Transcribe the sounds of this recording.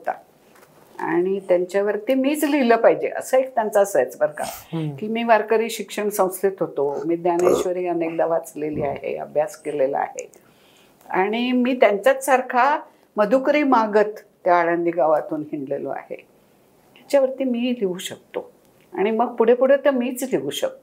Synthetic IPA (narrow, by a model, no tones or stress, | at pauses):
ɦot̪a̰ | a̰ɽ̃it̪jaɲt͡ɕjaʋəɾt̪iːmiːt͡sliləːpaɦid͡ʑḛə̰səek̚t̪jant͡sasəjt͡sbəɾɡa̰kiːmiːʋaɾkəɾiːɕikʂəɳsə̃w̃stit̪ɦot̪omiːd̪janeɕʋəɾiːənek̚d̪aʋat͡sleliːaɦḛə̰bʱjaskelelə̰a̰ɦḛ | a̰ɽ̃imiːt̪jaɲt͡ɕat͡s̪saɾkʰa | məd̪ʱukɾiːmaɡət̪ːjaːɽə̃nd̪iːɡaʋat̪uːnɦiɳɖlelo̰a̰hḛ | t̪jat͡ɕjaʋəɾt̪iːmiːliʋuːɕək̚t̪o | aɽ̃iməɡ̚puɽ̤epuɽ̤et̪əmiːt͡sliʋuːɕə̰k̚t̪o